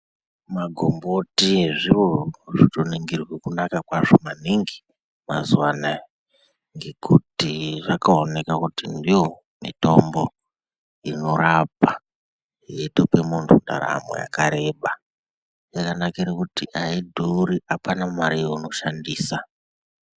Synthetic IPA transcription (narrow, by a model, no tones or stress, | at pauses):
maɡʱo̞mbotiʐiʋo̞ʐitoniŋɡirwekunakakwaʐo̞maniŋɡi | ma̰zuwana | ŋɡe̞kutiʐakaone̞kakutindijo̞ | mḭto̞mbo̞ | ino̞rapa | jetopemuntʰunda̰ɾa̰mo̰ja̰kaɾe̞ːɓa | jakanakiɾekutiʔaidʱouɾiʔapanamaɾijoino̞ʃandiːsa